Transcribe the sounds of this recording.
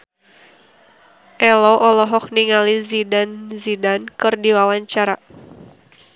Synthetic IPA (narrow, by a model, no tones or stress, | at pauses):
ʔɛlɔʔɔlɔɦɔk̚niŋalizidanzidankɨrdiwawaɲt͡ʃaɾa